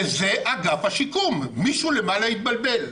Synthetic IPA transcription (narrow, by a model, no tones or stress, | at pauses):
ze̞ʔaɡafhaʃikumːiʃulemanait̪̚balbe̞l